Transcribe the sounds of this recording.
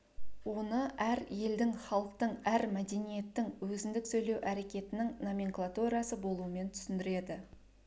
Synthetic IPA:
wo̞nəʔæɾje̞ld̪ɪŋχɑlˠəq̚t̪əɴæɾmæd̪e̞nije̞t̪ːɪŋwɵzɪnd̪ɪksɵjle̞wʔæɾe̞kʲe̞t̪ɪnɪŋnomʲiŋklˠat̪uɾijasəbo̞lˠuəme̞nt̪ʰʏ̥sɪnd̪ɪɾe̞d̪ɪ

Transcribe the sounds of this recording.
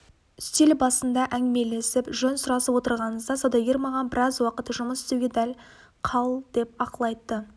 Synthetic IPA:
ʏst̪e̞lbɑsənd̪ɑʔæŋɪme̞le̞sɪpʒɵnsʊɾɑsəpwo̞t̪əɾʁɑnəzd̪ɑsod̪ɑɡʲeɾmɑʁɑnbɪɾɑzwɑqət̪ʒʊməsɪ̥st̪ewɡʲed̪æl | qʰɑlˠd̪̥e̞pɑqəlˠɑjt̪ːə

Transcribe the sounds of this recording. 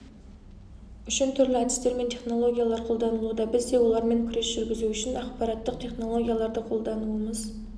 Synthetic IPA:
ʏʃɪnt̪ʰʏɾlɪæd̪ɪst̪e̞ɾme̞nt̪ʰe̞χno̞lˠo̞ɡʲijalˠɑɾqʰo̞lˠd̪ɑnəlˠud̪ɑbɪzd̪e̞wo̞lˠɑɾme̞ŋkʲʰʏɾe̞sʒ̥ʏɾɡʲɪzuʏʃɪnɑqpɑɾɑt̪ːəqt̪ʰe̞χno̞lˠo̞ɡʲijalˠɑɾd̪əqʰo̞lˠd̪ɑnuəməz

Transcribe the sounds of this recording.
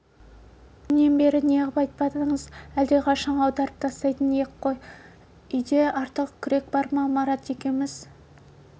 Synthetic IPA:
nːenbe̞ɾɪneʁəpɑjt̪əpɑd̪əɴəzæld̪eqʰɑʃɑɴɑwd̪ɑɾəp̚t̪ʰɑst̪ɑjt̪əneeqʰːo̞j | ʏjd̪e̞ɑɾt̪əqkʲʰʏɾe̞k̚bɑɾmɑmɑɾɑt̪ekʲe̞nmɪz

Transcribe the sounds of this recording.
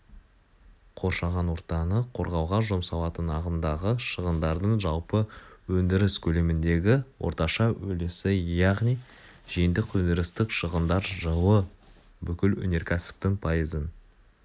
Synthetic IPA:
qʰo̞ɾʃɑʁɑnwo̞ɾt̪ɑnəqʰo̞ɾʁɑwʁɑʒo̞msɑlˠɑt̪ənɑʁənd̪ɑʁəʃəʁənd̪ɑɾd̪əɴʒɑlˠpəwɵnd̪ɪɾɪskʲʰɵle̞mɪnd̪e̞ɡʲɪwʔo̞̰ɾt̪ɑʃɑwɵlɪsɪjɑʁnij | ʒ̥ijɪnd̪ɪkwɵnd̪ɪɾɪst̪ɪkʃəʁənd̪ɑɾʒəwə | bʏkʲɪlwɵ̰ne̞ɾkʲʰæsɪ̥p̚t̪ɪŋpʰɑjəzən

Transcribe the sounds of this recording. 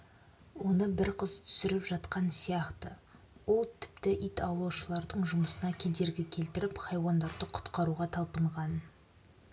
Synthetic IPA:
wo̞nəbɪɾqʰəzt̪ʰʏ̥sɪɾɪpʒɑt̪qɑnsijɑqt̪ə | wo̞lˠt̪ʰɪ̥p̚t̪ɪʔijt̪ɑwlˠɑwʃəlˠɑɾd̪əɴʒʊməsənɑkʲʰed̪e̞ɾɡʲɪkʲʰe̞lt̪ɪɾɪpχɑjwɑnd̪ɑɾd̪əqʰʊ̥t̪qɑɾuʁɑt̪ʰɑlˠpəɴʁɑn

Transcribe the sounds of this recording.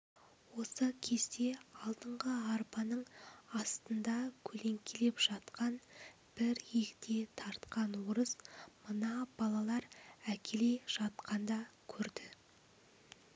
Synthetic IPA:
wo̞səkʲʰe̞zd̪e̞ɑlˠd̪əɴʁəɑɾpɑnəɴɑst̪ənd̪ɑkʲʰɵle̞ŋkʲʰele̞pʒ̥ɑt̪qɑn | b̥ɪɾjekʲt̪e̞t̪ʰɑɾt̪qɑnwoɾəzmənɑbɑlˠɑlˠɑɾækʲʰe̞le̞jʒ̥ɑt̪qʰɑnd̪ɑkʲʰɵɾd̪ɪ

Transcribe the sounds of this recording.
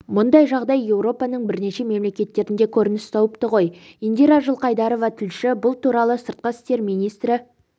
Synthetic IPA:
mʊnd̪ɑjʒɑʁd̪ɑjːe̞wɾo̞pɑnəɴbɪɾne̞ʃe̞me̞mle̞kʲe̞t̪ːe̞ɾɪnd̪e̞kʲʰɵɾɪnɪst̪ʰɑwəpt̪əʁo̞j | ind̪iɾaʒəlˠqɑjd̪ɑɾo̞vɑt̪ʰɪlʃɪbʊlˠt̪uɾɑlˠəsəɾt̪̚qəɪ̥st̪e̞ɾminijst̪ɾɪ

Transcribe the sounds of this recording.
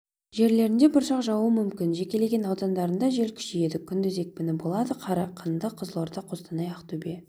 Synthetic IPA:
ʒe̞ɾle̞ɾɪnd̪ebɪɾʃɑqʒɑwəmʏmkʲɪnʒe̞kʲe̞le̞ɡʲe̞nɑwd̪ɑnd̪ɑɾənd̪ɑʒe̞lkʲʰʏ̥ʃeje̞d̪ɪkʲʰʏnd̪ɪze̞k̚pɪnɪbo̞lˠɑd̪əqʰɑɾɑqʰənd̪əqʰəzlˠoɾd̪ɑqʰost̪ɑnɑjɑqt̪ube̞

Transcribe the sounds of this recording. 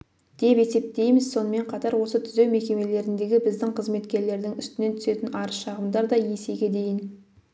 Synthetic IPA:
d̪̥e̞pe̞se̞p̚t̪e̞jmɪz̥so̞nəme̞ɴqʰɑt̪ɑɾwo̞sət̪ʰʏze̞wme̞kʲe̞me̞le̞ɾɪnd̪e̞ɡʲɪbɪzd̪ɪŋqʰəzme̞t̪kʲe̞ɾle̞ɾd̪ɪŋʏst̪ɪne̞nt̪ʰʏ̥se̞t̪ɪnɑɾəʃɑʁəmd̪ɑɾd̪ɑje̞se̞ɡʲe̞d̪e̞jɪn

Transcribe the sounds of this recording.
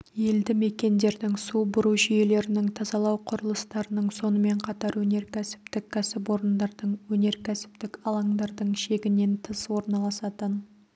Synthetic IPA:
je̞ld̪ɪme̞kʲe̞nd̪e̞ɾd̪ɪŋsubʊɾuʒʏje̞le̞ɾɪnɪŋt̪ʰɑzɑlˠɑwqʰʊɾəlˠəst̪ɑɾənəɴso̞nəme̞ɴqʰɑt̪ɑɾwɵne̞ɾkʲʰæsɪ̥p̚t̪ɪkʲʰːæsɪp̬wo̞ɾənd̪ɑɾd̪əɴwɵne̞ɾkʲʰæsɪ̥p̚t̪ɪkɑlˠɑŋd̪ɑɾd̪əɴʃe̞ɡʲɪne̞nt̪ʰəswo̞ɾnɑlˠɑsɑt̪ən

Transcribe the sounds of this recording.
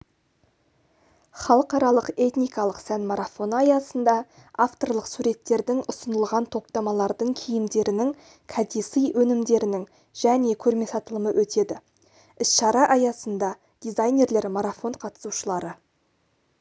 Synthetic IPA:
χɑlˠəqɑɾɑlˠəqe̞t̪nijkɑlˠəqsænmaɾafo̞nəɑjɑsənd̪ɑ | aft̪o̞rlˠəqsuɾe̞t̪ːe̞ɾd̪ɪŋʔʊsənəlˠʁɑnt̪ʰo̞p̚t̪ɑmɑlˠɑɾd̪əɴkʲʰijɪmd̪e̞ɾɪnɪŋ | kʰɑd̪esijwɵnɪmd̪e̞ɾɪnɪŋ | ʒ̥æne̞kʲʰɵɾme̞sɑt̪əlˠəməwʔɵt̪e̞d̪ɪ | ɪsʃɑɾɑʔɑjɑsənd̪ɑ | d̪̥ijzajnʲe̞ɾle̞ɾmaɾafo̞ɴqʰɑt̪ə̥suʃəlˠɑɾə

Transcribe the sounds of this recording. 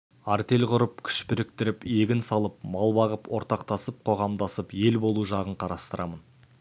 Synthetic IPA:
aɾt̪e̞lʁʊɾəp̚kʲʰʏ̥ʃpɪɾɪk̚t̪ɪɾɪpe̞ɡʲɪnsɑlˠəp̚mɑlˠbɑʁəpwo̞ɾt̪ɑqt̪ɑsəp̚qʰo̞ʁɑmd̪ɑsəpje̞lbo̞lˠuʒɑʁəɴqʰɑɾɑst̪əɾʔɑmən

